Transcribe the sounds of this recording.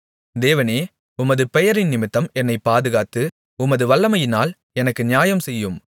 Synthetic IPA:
d̪eːʋɐneː | ʊmɐðɯpɛjɐɾɪnnɪmɪt̪ːɐmɛnːɐɪpːaːðɯɣaːt̪ːɯ | ʊmɐðɯʋɐɭːɐmɐjɪnaːl | ɛnɐkːɯnɪjaːjɐmsɛjːɯm

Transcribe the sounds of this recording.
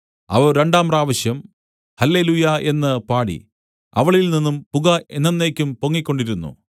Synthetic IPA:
ɐ̰ʋoɾe̞ɳɖaːmraːʋɐɕjɐm | hɐlːe̞lujɐe̞nːɨpaːɽḭ | ɐ̰ʋɐɭilninːumpuɣɐenːenːe̞ːkʲːumpo̞ŋːikʲːo̞ɳɖiɾunːṵ

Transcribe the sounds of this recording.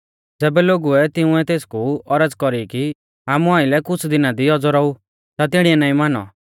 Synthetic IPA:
d͡zɛːbɛloːɡuɛt̪ɪũɛt̪eːskuɔɾəd͡zkɔɾiki | aːmuaːɪlɛkʊt͡sʰd̪ɪnad̪iɔd͡zɔɾɔu | t̪at̪ɪɽiɛnaːĩmaːnɔ̰

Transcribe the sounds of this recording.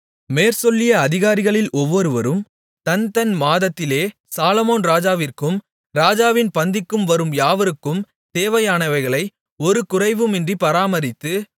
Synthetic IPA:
meːɾsɔlːɪjɐːðɪɣaːɾɪɣɐɭɪlɔʋːɔɾɯʋɐɾɯm | t̪ɐnt̪ɐnmaːðɐt̪ːɪleː | saːlɔmoːnɾaːd͡ʒaːʋɪrkɯm | ɾaːd͡ʒaːʋɪnpɐnd̪ɪkːɯmʋɐɾɯmjaːʋɐɾɯkːɯm | t̪eːʋɐjaːɳɐɪʋɐɪɣɐɭɐɪ | ɔɾɯkʊrɐɪʋɯmɪndripɐɾaːmɐɾɪt̪ːɯ

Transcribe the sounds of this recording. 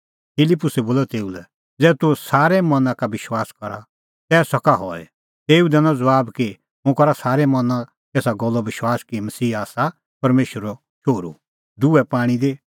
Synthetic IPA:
pʰɪlɪpːʊsɛboːlɔt̪eːulɛ | d͡zɛːt̪usaːɾɛmɐ̃nãkabɪʃwaːskɐɾa̰ | t̪ɛːsɔkaɦɔːɛ̰ | t̪eːud̪ɛnɔ̃d͡zɐʋaːbki | mʊ̃kɐɾasaːɾɛmɐnã | t̪eːsaɡɔlːɔbɪʃwaːskimɐsiːaːsa | pɐɾmeːʃəɾɔ | t͡ʃʰoːɾṵ | d̪uɛpaːɽ̃id̪e

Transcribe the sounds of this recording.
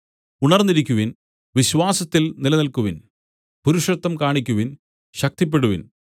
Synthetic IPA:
uɳɐrniɾikʲːuʋin | ʋiɕʋaːsɐt̪ːilnilɐnɐlkuʋin | puɾuʂrɐt̪ːɐmkaːɳikʲːuʋin | ɕɐk̚t̪ip̬ːeɽuʋḭn

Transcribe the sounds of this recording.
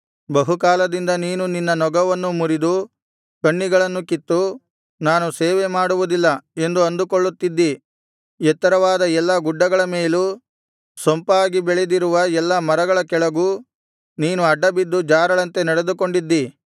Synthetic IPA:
bɐɦukaːlɐd̪ind̪ɐniːnuninːɐnɔɡɐʋɐnːumuɾid̪u | kɐɳːiɡɐɭɐnːukit̪ːu | naːnuseːʋemaːɽuʋud̪ilːɐe̞nd̪uɐnd̪ukoɭːut̪ːid̪ːi | ɛt̪ːɐɾɐʋaːd̪ɐɛlːɐɡuɖːɐɡɐɭɐmeːlu | sompaːɡibɛɭed̪iɾuʋɐɛlːɐmɐɾɐɡɐɭɐkɛɭɐɡuː | niːnuɐɖːɐbid̪ːud͡ʒaːɾɐɭɐnt̪e̞nɐɽed̪uko̞ɳɖid̪ːi

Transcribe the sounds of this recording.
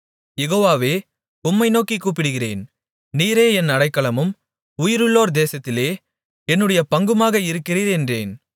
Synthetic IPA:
jɛɣoːʋaːʋeː | ʊmːɐɪnoːkikːuːp̬ːɪɽɯɣɪrḛːn | niːɾeːɛnːɐɽɐɪkːɐɭɐmɯm | ʊjɪɾɯɭːoːɾd̪eːsɐt̪ːɪleː | ɛnːɯɽɐjɐpɐŋɡɯmaːɣɐɪɾɯkːɪriːɾɛndreːn

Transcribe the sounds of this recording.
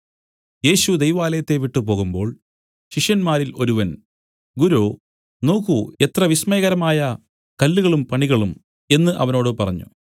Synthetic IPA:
je̞ːɕud̪ejʋaːlɐjɐt̪ːe̞ʋiʈːupo̞ːɣumbo̞ːɭ | ɕiʂjɐnmaːɾilo̞ɾuʋɐn | ɡuɾoː | no̞ːkue̞t̪rɐʋismeːɣɐɾɐmaːjɐ | kɐlːuɣɐɭumpɐɳiɣɐɭum | e̞nːɨʔɐʋɐno̞ːɽɨpɐrɐɲːṵ

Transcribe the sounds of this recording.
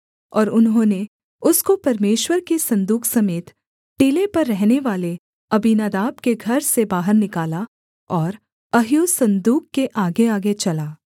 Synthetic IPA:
ɔːɾʊnɦõːne | ʊskopɐɾmeːʃwəɾkesɐ̃nd̪uːkʰsɐmeːt̪ | ʈeːlepɐɾːɛɦneʋaːle | ɐbinaːd̪aːbkeɡʱɐɾsebaːɦəɾnɪkaːla | ɔːɾ | ɐɦjoːsɐ̃nd̪uːkːeʔaːɡeaːɡet͡ʃɐlaː

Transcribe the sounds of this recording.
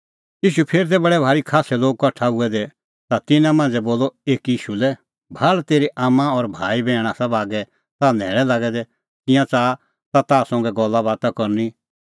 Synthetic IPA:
jiːʃupʰeːɾit̪̬ɛbɐɽɛbʱaːɾikʰaːsɛloːɡ̚kɔʈʰaʊɛd̪ɛ | t̪at̪ɪnãmãːnd͡zɛboːlɔeːkiːʃulɛ | bʱalt̪eːɾiʔaːmãɔɾbʱaːibɛ̃ːɽ̃ãsɐbaːɡɛ | t̪anɛ̰ːɭɛlaːɡɛd̪ɛ | kɪ̃jãt͡saː | t̪at̪aːsɔ̃ŋɡɛɡɔlːabaːt̪akɔɾni

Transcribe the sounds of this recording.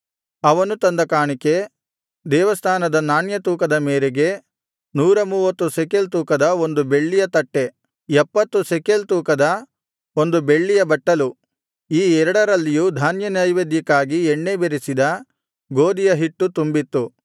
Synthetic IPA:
ɐʋɐnut̪ɐnd̪ɐkaːɳike̞ | d̪ɛːʋɐst̪ʰaːnɐd̪ɐnaːnjɐt̪uːkɐd̪ɐmeːɾeɡe̞ | nuːɾɐmuːʋɐt̪ːusekelt̪̬uːkɐd̪ɐo̞nd̪ubeɭːijɐt̪ɐʈːe̞ | ɛpːɐt̪ːusekelt̪uːkɐd̪ɐ | o̞nd̪ube̞ɭːijɐbɐʈːɐlu | iːɛɾɐɽɐɾɐlːijud̪ʱaːnjɐnɐjʋed̪jikaːɡiɛɳːebeɾisid̪ɐ | ɡo̞ːd̪ijɐɦiʈːut̪umbit̪ːu

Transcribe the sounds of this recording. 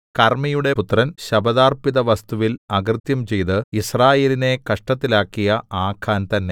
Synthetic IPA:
kɐrmijuɽe̞put̪rɐnɕɐbɐðaːrpiðɐʋɐst̪uʋilɐɣrɨt̪jɐmt͡ɕe̞jt̪ɨisraːje̞ːline̞kɐʂʈɐt̪ːilaːkːijɐaːkʰaːnt̪ɐnːe̞

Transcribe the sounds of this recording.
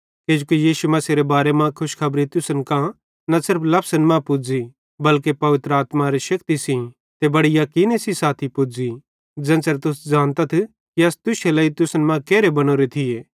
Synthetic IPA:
ked͡ʒukijiːʃumɐsiɾebaːɾemãkʰʊʃkʰɐbɾit̪ʊsənkã | nasɪɾpʰlɐpsənmãpʊd͡zi | bɐlkepɐʋɪt̪ɾəaːt̪mãɾiʃɐkt̪isĩ | t̪ebɐɽijɐkiːnesisaːt̪ʰipʊd͡zi | d͡ʒɐ̃ːsəɾt̪ʊsd͡ʒaːnt̪ɐt̪ʰ | kiɐst̪ʊʃelaːit̪ʊsənmãkeːɾebɐñoːɾet̪ʰɪjeː

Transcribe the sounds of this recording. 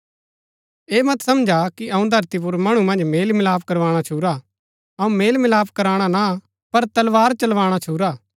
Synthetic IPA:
eːmɐt̪sɐmd͡ʒʱakiʔɐũd̪ʱɐɾt̪ip̬ʊɾmɐɽ̃ũmɐ̃nd͡ʒmeːlmɪlaːp̚ʰkɐɾʋaːɽ̃at͡ʃʰuːɾa | ɐũmeːlmɪlaːpʰkɐɾaːɽ̃ana | pɐɾt̪ɐlʋaːɾt͡ʃɐlʋaːɽ̃at͡ʃʰuːɾaː

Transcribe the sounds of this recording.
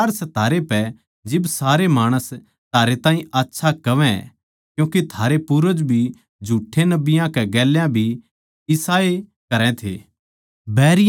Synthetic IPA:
aːɾsɐt̪ːaːɾepɛ | d͡ʒɪbsaːɾemaːɽ̃əs | t̪aːɾet̪ãːɦĩaːtːʃʰakɐʋɛ̃ | kjũːkit̪ʰaːɾepuɾəd͡ʒbʱi | d͡ʒʱuːʈʰːenɐbɪjãkɛɡɛːljãbʱi | jɪsaːe | kɐɾɛ̃t̪ʰḛː | bɛːɾɪj

